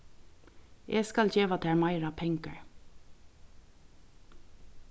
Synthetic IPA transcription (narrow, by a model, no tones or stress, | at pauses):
ʔeːskɑlçeːʋɑt̪ʰæːɹmɑɪɹɑpʰɛŋkəɹ